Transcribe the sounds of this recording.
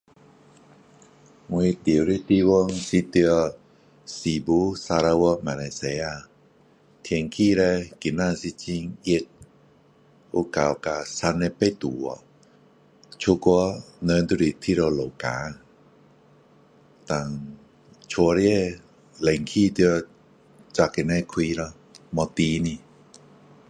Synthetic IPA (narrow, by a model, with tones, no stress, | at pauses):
ŋu˧t̪i˨wɾi˦˧t̪i˧wɔ˧ŋsi˧t̪i˧ə˧ | si˨bu˦sa˧ɾa˧wɔ˧ma˨la˧se˧ja˧ | t̪ʰi˧ŋkʰi˥˧˨ɾa˧ki˨˩na˧˨si˧t͡ɕi˧ŋi˧t̪̚ | o˧ka˨wka˧sa˧nɛ˧pe˧t̪u˨ɔ˧ | t͡ʃʰu˧ku˧˦nə˧nt̪u˧ɾi˨˩t̪ʰi˧ɾo˧lo˨kaː˨˦ | t̪a˨˩ŋ | t͡ʃʰo˧ɾi˦e˥˧˨ | le˨ŋkʰiː˧˥˨t̪i˧ | t͡ɕa˧ki˨na˧kʰwiː˧˦nɔ˧ | mɔ˧t̪iː˧˦ni˧